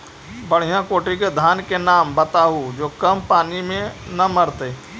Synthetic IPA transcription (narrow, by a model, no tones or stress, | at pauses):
bɐɽ̤ijãkoːʈikd̪ʱaːnkenaːmbɐt̪aɦud͡ʒoːkɐmpaːnimẽnɐmɐɾt̪eː